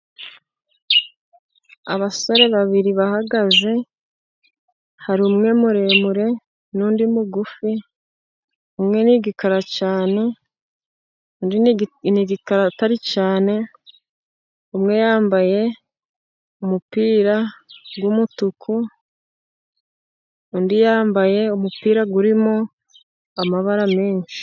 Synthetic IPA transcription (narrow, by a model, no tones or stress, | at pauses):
aβaso̞ɾe̞βaβiɾiβahaɡaze̞ | haɾiumŋe̞muɾe̞muɾe̞ | nuːndimuɡufi | umŋeniɡikaɾat͡ʃaːne̞ | undniɡikaɾataɾit͡ʃaːne̞ | umŋe̞jaːmbaje̞ | umupiːɾaɡwumutukʰu | undijaːmbaje̞umupiːɾaɡuɾimo | amaβaɾameːɲʃi̥